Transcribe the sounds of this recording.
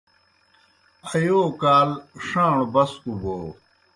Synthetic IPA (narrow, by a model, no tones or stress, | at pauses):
ɐjoːkaːlʂãːɳbɐskuboː